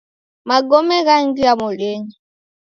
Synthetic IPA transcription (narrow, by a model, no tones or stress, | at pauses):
maɡɔmɛɣaŋɡiamoleɲi